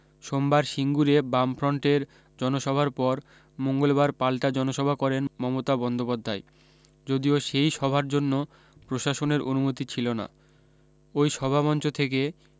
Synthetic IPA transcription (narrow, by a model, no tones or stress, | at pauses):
ʃombaɾʃiŋɡuɾebamfʰɾɔɳʈeɾ | d͡ʑɔnoʃɔbʱaɾpɔɾ | moŋɡolbaɾpalʈad͡ʑɔnoʃɔbʱakɔɾenmɔmot̪abɔnd̪opad̪ʱːae | d͡ʑod̪ioʃejʃɔbʱaɾd͡ʑonːo | pɾoʃaʃoneɾʔonumot̪it͡ɕʰilona̰ | ojʃɔbʱabɔnt͡ɕot̪ʰeke